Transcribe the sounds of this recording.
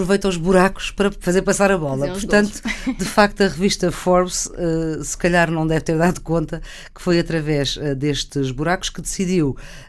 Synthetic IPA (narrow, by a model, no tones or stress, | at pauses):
pɾuvɐjt̪ɐ̃uʒβuɾaku̥ʃpɐɾɐfɐzeɾpɐsaɾɐβɔlˠɐppuɾt̪ɐ̃nt̪u̥d̪ɨfak̚t̪uɐʁɨviʃt̪ɐfɔɾsɛsɨ̥kɐʎaɾnɐ̃w̃d̪ɛvt̪eɾðaðukõnt̪ɐ | kɨ̥fojɐt̪ɾɐvɛʒɛd̪eʃt̪ɨʒβuɾaku̥ʃkɨd̪ɨsiðiw